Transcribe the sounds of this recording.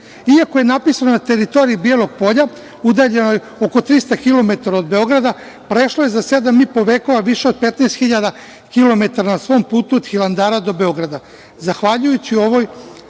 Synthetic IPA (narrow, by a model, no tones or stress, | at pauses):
iakoje̞napisanonat̪eɾit̪o̞ɾiibielo̞ɡ̚po̞ʎa | ud̪aːʎe̞noj | oko̞t̪ɾist̪akilo̞me̞t̪aɾao̞d̪̚be̞o̞ɡɾad̪a | pɾeʃloje̞zase̞d̪amipo̞ʋeːko̞ʋaʋiʃeo̞d̪̚pet̪neːst̪xiʎad̪a | kilo̞me̞t̪aɾanasʋo̞ːmpuːt̪uod̪̥xilˠand̪aːɾad̪o̞be̞o̞ɡɾad̪a | zaxʋaʎujut͡ɕio̞ʋo̞ːj